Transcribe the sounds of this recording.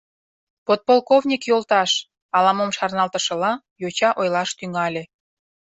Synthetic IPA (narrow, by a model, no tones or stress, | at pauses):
pot̪̚polkovnʲikjolt̪ɑʃ | ɑlɑmomʃɑrnɑlt̪ə̆ʃə̆lɑ | jot͡ɕɑʔojlɑʃt̪yŋɑlʲe